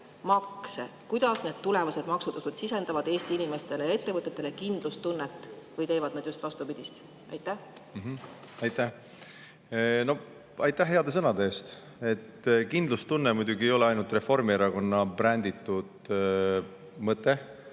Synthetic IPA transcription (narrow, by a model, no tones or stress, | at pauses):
mɑksḛkujd̪̥ɑsne̞d̪̥̚t̪ule̞vɑse̞d̪mɑksud̪usud̪sise̞nd̪ɑvɑd̪e̞ːst̪iinime̞st̪e̞lejɑe̞t̪ːe̞vɤt̪ˑːet̪ːˑe̞lekind̪̥lust̪unːet̪ːˑ | vɤjt̪e̞ːvɑd̪ned̪̥just̪vɑst̪upid̪̥ist̪ | ʔɑ̰jt̪ˑːæhm̩ɦ̩ | ɑjt̪æ | no̞ | ɑjt̪ˑːæɦːeɑd̪̥e̞sɤnɑd̪eeːst̪ | e̞t̪ːkind̪̥lust̪unːemujd̪̥ʲuɡie̞jo̞leɑjnult̪re̞fo̞rmieɾɑko̞nːɑpɾænʲd̪̥it̪ːud̪̥ | mɤt̪ːˑe